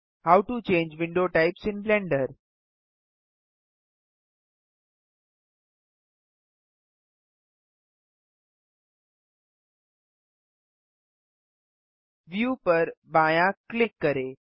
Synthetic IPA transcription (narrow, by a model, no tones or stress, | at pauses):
hawʈut͡ʃẽːɲd͡ʒʋɪ̃ɳɖoʈaɪpsɪ̃nblɛ̃ɳɖəɾ | ʋjuːpəɾbãːjãklɪkːəɾe